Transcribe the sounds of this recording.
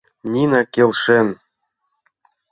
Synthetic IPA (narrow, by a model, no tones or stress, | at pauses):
nʲinɑkelʃen